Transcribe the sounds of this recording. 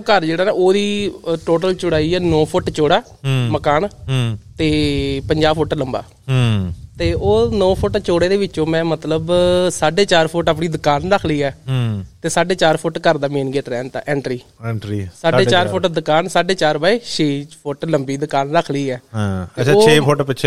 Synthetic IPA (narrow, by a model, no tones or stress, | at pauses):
kəɾd͡ʒeːɽaːnaːoːd̪iːʈoːʈəlt͡ʃʊɽaːiːɛːnɔ̃ːpʰʊʈt͡ʃoːɽaː | məkaːnt̪eːpəɲd͡ʒaːbpʰʊʈləmba̰ː | t̪eːʔoːnɔ̃ːpʰʊʈt͡ʃoːɽeːd̪eːʋɪt͡ʃːt͡ʃõːmɛ̃ːmət̪ləbsaːɖeːt͡ʃaːɾpʰʊʈaːpɳiːd̪ʊkaːnɾəkʰliːɛːt̪eːsaːɖeːt͡ʃaːɾpʰʊʈkəɾd̪aːmeːnɡeːʈɾɛːnt̪a̰ːʔɛ̃ːɳʈɾiːɛɳʈɾiːsaːɖeːt͡ʃaːɾpʰʊʈd̪ʊkaːnsaːɖeːt͡ʃaːɾbaːeːʃeːpʰʊʈləmbiːd̪ʊkaːnɾəkʰliːɛːeaoːeːpʰoʈpɪt͡ʃʰː